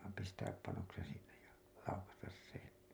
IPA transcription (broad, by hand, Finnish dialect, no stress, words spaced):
pistæːp pɑnoksen sinːej jɑ lɑukɑstɑs sen